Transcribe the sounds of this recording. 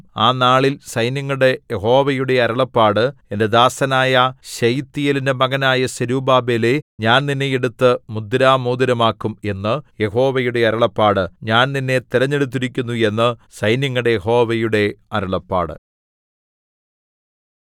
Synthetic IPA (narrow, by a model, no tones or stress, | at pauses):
aːnaːɭilsɐjnjɐŋːɐɽe̞jeɦo̞ːʋɐjuɽe̞ɐɾɐɭɐpːaːɽɨe̞nde̞d̪aːsɐnaːjɐɕɐjt̪ːijɐlindemɐɡɐnaːjɐɕɐɾuːbaːbeleɲaːnninːe̞jeɽut̪ːɨmud̪ɾaːmoːd̪ɐɾɐmaːkːume̞nːɨje̞ɦo̞ːʋɐjuɽe̞ɐɾɐɭɐpːaːɽɨɲaːnninːe̞t̪iɾɐɲːe̞ɽut̪̬ːiɾikʲːunːue̞nːɨsɐjnjɐŋːɐɽe̞jeɦo̞ːʋɐjuɽe̞ɐɾɐɭɐpːa̰ːɽɨ̰